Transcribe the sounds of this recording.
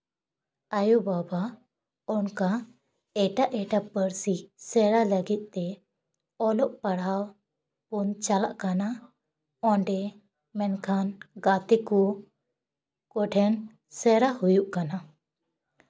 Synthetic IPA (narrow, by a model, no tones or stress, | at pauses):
ajubaba | ɔnka | ɛʈaʔɛʈapəɾsisɛɾaləɡit̪̚ˀt̪ɛ | ɔlɔʔpaɽ̤aw | punt͡ʃala̰ʔkana | ɔɳɖɛ | mɛnkʰanɡat̪iku | kɔʈʰɛn | sɛɾahujuʔkana